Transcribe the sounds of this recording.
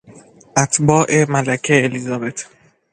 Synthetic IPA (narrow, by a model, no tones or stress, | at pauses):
ʔæt̪ʰbɒːʔemælækʰeːlizɒːbet̪ʰ